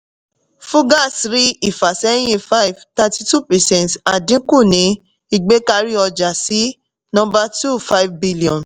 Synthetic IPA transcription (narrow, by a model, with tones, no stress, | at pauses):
fũ˦ɡa˦˨sɾi˦i˦˨fa˨sɛ˦j̃ĩ˦fa˦i˨vta˧ti˧tu˦˨pɛ˨sɛ̃˨ta˨dĩ˨˦ku˦˨nĩ˨˧˦ | i˧ɡ͡be˦ka˧ɾi˦ɔ˧d͡ʒa˨si˨˦ | nɔ̃˦mba˧tu˦˨fa˦i˨vbi˦li˨ɔ̃˨n